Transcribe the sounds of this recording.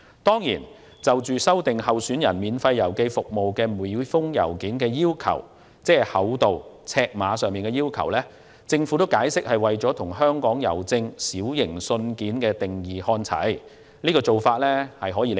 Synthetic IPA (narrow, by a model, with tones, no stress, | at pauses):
t̪ɔː˥ŋjḭː˨˩n | t͡sɐ˨wt͡ʃyː˨sɐ˥wt̪ɪ˨ŋhɐ˨wsyː˨˥njɐ̰˨˩nmiː˨˧nfɐ˧jːɐ˨˩wke˧jfʊ˨k̚mo˨wkɛː˧mu˨jfʊ˥ŋjɐ̰˨˩wkiː˨˥nkɛː˧jiː˥wkʰɐ̰˨˩w | t͡sɛː˥˨hɐ˨˥wt̪o˨w | t͡sʰɛː˧k̚maː˨˧sœː˨ŋmiː˨nkɛː˧jiː˥wkʰɐ̰˨˩wlɛː˥ | t͡sɪ˧ŋfuː˨˥t̪o˥wkaː˨˥jsɪ˥k̚hɐ˨jwɐ˨jt͡sɔː˨˥t̪ʰʊ˨˩ŋɦœː˥ŋkɔː˨˥ŋjɐ̰˨˩wt͡sɪ˧ŋsiː˨˥wjɪ˨˩ŋsɵ˧nkiː˨˥nkɛː˧t̪ɪ˨ŋjiː˨˩hɔː˧nt͡sʰɐ̰˨˥j | niː˥kɔː˧t͡so˨wfaː˧t̚lɛː˥hɐ˨jɦɔː˨˥jiː˨˧˥